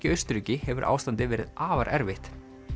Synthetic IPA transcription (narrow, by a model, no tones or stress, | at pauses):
cɪœjst̪ɾʏcɪhɛvʏɾʔa̰ːwst̪ant̪ɪvɛːɾɪðʔaːvaɾʔɛɾvɪht̪